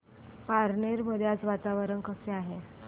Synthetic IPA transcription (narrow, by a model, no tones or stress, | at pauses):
paɾneɾməd̪ʱjat͡sʋat̪aʋəɾənkəseaɦe